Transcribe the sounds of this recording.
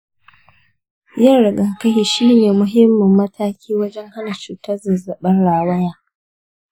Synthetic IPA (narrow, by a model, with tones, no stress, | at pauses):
jɐ˦nɽɪ˨ɡɐ˨ŋkɐ˦hi˨ʃiː˦neː˨mʊ˨ɦɪ˦mːʊ˨mːɐ˦taː˦kʲʰiː˦wɐ˦d͡ʒɛ˦ŋha˦na˨t͡ʃuː˨tɐ˦zɐ˨zɐ˨ɓɐ˦nɽaː˦˨wɐ˦jaː˦